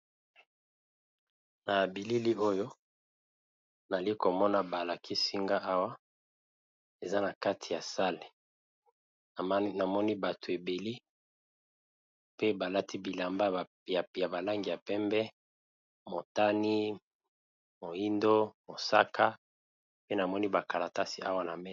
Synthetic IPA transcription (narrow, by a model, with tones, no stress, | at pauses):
na˨bi˨li˦li˦o˦jo˦ | na˨li˦ko˨mɔ˦na˦ba˨la˨ki˦si˦ŋɡa˦ʔa˦wa˦ | e˨za˦na˨ka˦tʰi˨ja˨sa˦le˨ | na˨mɔ˦ni˦ba˨tʰo˨e˨be˨li˦ | pe˦ba˨la˦tʰi˦bi˨la˨mba˦˨ | ja˨pja˨ba˨la˦ŋɡi˨ja˨pɛ˦mbɛ˦ | mo˨ta˦ni˦ | mo˨ji˦ndo˦mo˨sa˦ka˦ | pe˦na˨mɔ˦ni˦ba˨ka˨la˨ta˦si˦a˦wa˦na˨mɛ˦